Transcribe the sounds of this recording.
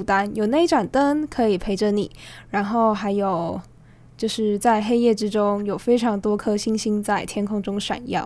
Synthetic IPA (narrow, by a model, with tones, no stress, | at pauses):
t̪a˥njo˨˩ʊne˥˩ɪi˥ʈ͡ʂa˨˩nt̪ə˥nkʰɤ˧˥i˨˩pʰe˧˥ɪʈ͡ʂə˧nḭ˨˩˦ɻa˧˥nxo˥˩ʊxa˧˥ɪjo˨˩ʊ | t͡ɕjo˥˧ʊʂɻ̩˥˧t͡sa˥˩ɪxe˥ɪjɛ˥˩ʈ͡ʂɻ̩˥ʈ͡ʂʊ˥ŋjo˨˩ʊfe˥ɪʈ͡ʂʰɑ˧˥ŋt̪wɔ˥kʰɤ˥ɕi˥ŋɕi˥ŋt͡sa˥˩ɪt̪ʰjɛ˥nkʰʊ˥ŋʈ͡ʂʊ˥ŋʂa̰˨˩njɑ̰˥˩ʊ